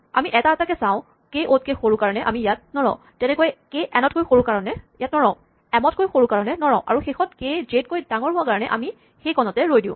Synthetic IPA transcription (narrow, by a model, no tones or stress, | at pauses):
a̰miʔɛtaɛtakɛsãʊ̃ | kejʔot̚kexoɹukaɹɔnɛʔa̰mijat̚nɔɹɔ̰ʊ̃ | tɛnɛkoɛkeʔɛnɔt̚kojxoɹukaɹɔnɛjat̚nɔɹɔ̃ʊ̃ | ɛmɔt̚kojxoɹukaɹɔnɛnɔɹɔ̃ʊ̃ʔa̰ɹuxexʰɔt̚kejzet̚kojdaŋɔɹɦʊwakaɹɔnɛʔa̰mi | xejkɔnɔtɛɹojdĩʊ̃